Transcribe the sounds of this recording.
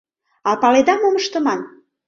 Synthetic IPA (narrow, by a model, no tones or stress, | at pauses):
ɑpɑled̪ɑmoməʃt̪ə̆mɑn